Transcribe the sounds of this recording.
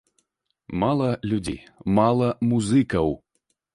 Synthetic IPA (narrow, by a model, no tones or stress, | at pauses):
malˠɐlʲud͡zʲḛjmalˠɐmuzɨkɐw